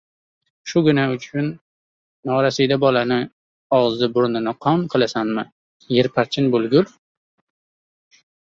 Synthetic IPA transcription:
ʃʊɡʊnaʊt͡ʃʰʊnː | ɒɾasijd̪abɒlanɪ | ɒʁzɪbʊɾnɪnɪqʰɒmqʰɨlˠasanmɪ | jeɾpʰaɾt͡ʃʰɪnbʊlɡʊl

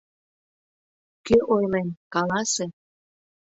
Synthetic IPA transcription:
køʔojlenkɑlɑse

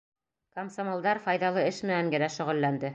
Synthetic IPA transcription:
kɐmsomolˠd̪ɑɾfɑjðɑlˠɤɘʃmɘ̆næŋɡɘ̆ɾæʃɵ̆ʁɘ̆lːænd̪ɘ

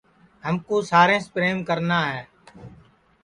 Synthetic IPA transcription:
ɦəmkoːsaːɾẽːspɾeːmkəɾnaːɦɛː

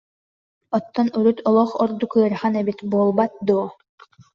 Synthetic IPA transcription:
ɔt̪ːɔnyɾyt̪ʰɔlˠɔχɔɾd̪ukɯɐɾχanɛbit̪buɔlˠbat̪̚d̪uɔ

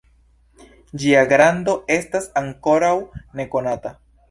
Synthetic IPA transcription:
d͡ʒiaɡɾando̞e̞stasaŋko̞ɾawne̞ko̞nata

